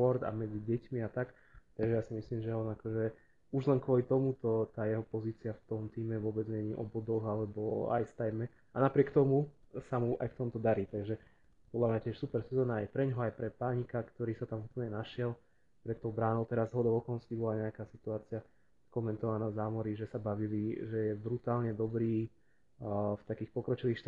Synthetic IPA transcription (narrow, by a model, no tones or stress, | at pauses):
ɔɾd̪a̰mɛd͡ziɟɛcmiat̪ak | t̪aɡʒɛjaːsimisliːmʒɛɔnakɔʒɛ | uʒlɛŋkʊɔlit̪ɔmut̪ɔt̪aːjɛɦɔpɔziːt͡siaft̪ɔmt̪iːmɛʋʊɔbɛd͡zɲɛɲiːʔɔ̰bɔd̪ɔɣalɛbɔ̰a̰jst̪ajmɛ | anapɾɪɛkt̪ɔmusamuʔa̰jft̪ɔmt̪ɔd̪aɾiːt̪aɡʒɛ | pɔd̪lamɲacɪɛʃsupɛɾsɛzɔːnaajpɾɛɲɦɔajpɾɛpaɲikakt̪ɔɾiːsat̪amupl̩ɲɛnaʃɪɛl | pɾɛt̪ːɔbɾaːnɔʊt̪ɛɾazzɦɔd̪ɔʊɔkɔɔnskibɔlaɲɛakaːsit̪uaːt͡sɪa | kɔmɛnt̪ɔʋanaːzaːmɔɾiʒɛsabaʋiliʒɛjɛbɾut̪aːlɲɛd̪ɔbɾiː | ft̪akiːxpɔkɾɔt͡ʃiʋiːxʃt̪